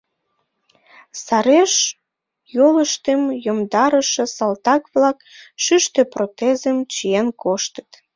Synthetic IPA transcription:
sɑɾeʃ | joləʃt̪emjomd̪ɑɾəʃĕsɑlt̪ɑkβlɑkʃyʃt̪øprot̪ezəmt͡ɕijenkoʃt̪ə̥t̪

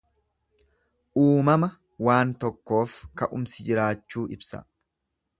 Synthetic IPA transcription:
ʔuːmɐmɐ | waːnt̪ɔkːo̞ːfkɐʔʊmsɪd͡ʒɪɾaːt͡ʃːuːʔɪbsɐ̰

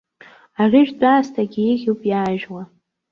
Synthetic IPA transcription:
arʲɪʒᶣdʼaːstʰaɡʲiiɣʲuwpʼjaːʒwa

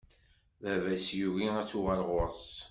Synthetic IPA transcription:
vævæsjuʝiæt͡sːʊʁælʁʊɾˤs

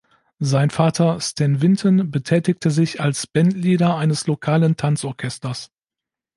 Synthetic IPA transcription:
zaɪnfaːtʰɐstʰɛnvɪntʰənbətʰɛːtɪk̚tʰəzɪçalsb̥ɛntliːdɐaɪnəslokʰaːləntʰant͡sɔɐkʰɛstɐs

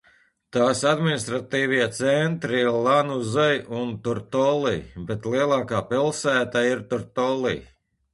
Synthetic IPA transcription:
t̪aːsad̪minist̪ɾat̪iːviɛt̪sɛnt̪ɾilˠanuzɛjunt̪uɾt̪ɔlˠḭbet̪liɛlˠaːkaːpilˠsæːt̪aiɾt̪uɾt̪ɔlḭ

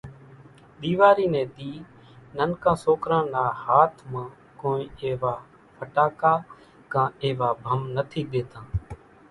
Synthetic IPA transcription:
ɗ̪iːʋaːɾiːnɛ̃ːɗ̪iː | nənkãːsoːkɾãːnaːhaːt̪ʰmãː | koːĩːeːʋaː | pʰəʈaːkaː | kãːeːʋaːbʱəmnət̪ʰiːɗeːt̪ãː

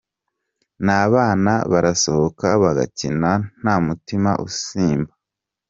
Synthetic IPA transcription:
naːβaːna̰βaɾaso̞hokaβaɡa̰cinan̥haːmutima̰ʔṵsiːmba

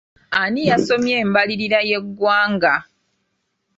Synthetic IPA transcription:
anijaso̞mje̞ːmbaliɾiɾaje̞ɡːwaːŋɡa

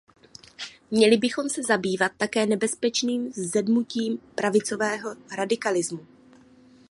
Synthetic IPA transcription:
mɲɛlɪbɪxo̞msɛzabiːvat̪ːakɛːnɛbɛspɛt͡ʃniːmzzɛdmuciːmpɾavɪt͡so̞vɛːɦo̞ɾadɪkalɪzmu

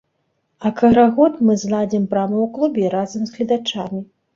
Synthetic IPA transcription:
ɐkɐɾaɣɔt̪mɨzlˠad͡zʲimpɾamɐwklˠubʲɛɾazɐmzɣlʲid̪at͡ʂamʲi

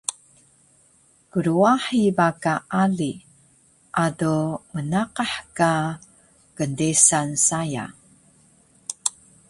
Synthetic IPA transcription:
kəɾuaħibakaʔaɮi | ʔadomənaqaħka | kəndesansaja̰

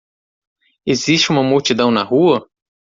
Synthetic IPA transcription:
eziʃt͡ʃɪũmɐmuwt͡ʃid̪ɐ̃w̃nɐhuɐ

